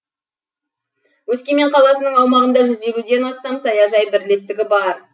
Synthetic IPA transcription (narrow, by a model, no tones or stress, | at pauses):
wɵskʲe̞me̞ɴqʰɑlˠɑsənəɴɑwmɑʁənd̪ɑʒʏze̞lud̪e̞nɑst̪ɑmsɑjɑʒɑjbɪɾle̞st̪ɪɡʲɪbɑɾ